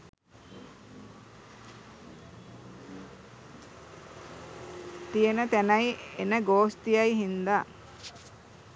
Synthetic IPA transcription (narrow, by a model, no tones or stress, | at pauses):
t̪ijenət̪ænajenəɡoːst̪ijajiɦind̪a